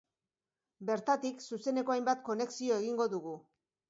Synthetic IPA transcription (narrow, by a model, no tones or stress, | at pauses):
be̞ɾt̪at̪iksuse̞ne̞ko̞ajmbat̪̚ko̞ne̞ksio̞e̞ɣiŋɡo̞ðuɣ̞u